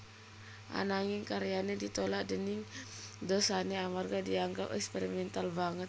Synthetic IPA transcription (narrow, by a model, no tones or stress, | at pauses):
ʔa̰naŋiŋkaɾianɛdit̪ɔlaʔdəniŋdɔsanɛamarɡadiaŋɡapɛ̰kspɛɾimɛnt̪albaŋət̪̚